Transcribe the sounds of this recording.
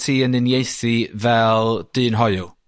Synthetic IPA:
tʰiːənɨnjejθivɛlˠd̥ɨːnɦɔjʊ

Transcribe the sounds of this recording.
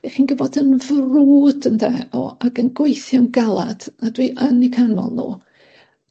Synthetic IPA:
ɛχiːnɡəvɔdənvruːdəndɛɔ̰aɡənɡwejθjɔnɡalˠa̰d̥adwiʔənikʰanɔ̰lˠnṵː

